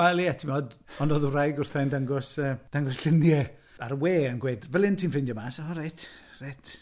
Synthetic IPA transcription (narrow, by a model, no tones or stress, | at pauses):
ɛlˠiatʰimɔdɔnoːðurajɡʊrθɛndaŋɡɔsəːd̥aŋɡɔsɬɪnjɛ | aɾweːənɡweːdvɛlˠɪntʰimfɪndjɔmaːsaχɔrejt | rejtʰ